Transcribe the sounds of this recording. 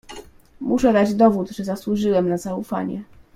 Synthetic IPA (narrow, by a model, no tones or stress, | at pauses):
muʂɛd̪ad͡ʑd̪ɔvud̪ʐɛzaswuʐɘwɛmnazaufa̰ɲɛ̰